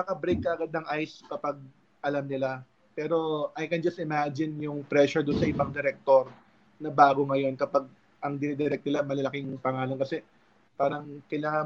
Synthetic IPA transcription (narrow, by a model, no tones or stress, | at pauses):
nɐkɐbɾejkːɐʔɐɡɐd̪nɐŋʔajskɐpɐɡ̚ | ʔɐlamnɪla | pɛːɾo̞ʔajkɛnd͡ʒɐst̪ɪmad͡ʒɪnjʊŋpɾɛʃʊɹd̪ʊnsɐʔɪbɐŋd̪ɛɾɛk̚t̪oɾ | nɐbaːɡoŋɐjo̞nkɐpaɡ̚ | ʔɐŋd̪ɪnɛd̪ɛɾɛk̪̚nɪlamɐlɐlɐkiŋpɐŋaːlɐnkɐsɛ | paːɾɐŋkɐjlaːŋɐ